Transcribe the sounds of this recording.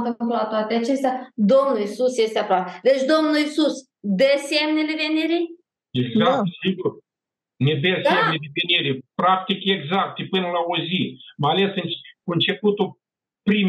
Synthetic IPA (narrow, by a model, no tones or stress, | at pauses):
fək̪ulat̪oat̪eat͡ʃest̪ʲad̪omnulisusjest̪eapɾowapd̪et͡ʃʲd̪omnulisus | d̪esʲemnʲelevenʲiɾi | eɡzakt̪siɡur | ned̪esemnʲeleveniɾepɾak̚t̪ikeɡzak̚t̪epɨnəlaozimaalesɨnt͡ʃkuɨnt͡ʃe̞put̪u | pɾim